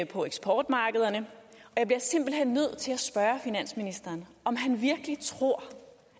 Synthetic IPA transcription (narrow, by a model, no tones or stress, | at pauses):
pʰɒ̽eɡ̥sb̥ʰɒːd̥mɑ̈ːɡ̥əð̞ˠɐnəɒ̽jɑ̈b̥liɐse̝m̰b̥l̩hen̰ːøð̞̰ˠt͡sʰe̝læsb̥ɶːɐfinæn̰sminisd̥ɐːnʔɒ̽mɦænʋiɐɡ̥əlit͡sʰʁo̝ɐ̰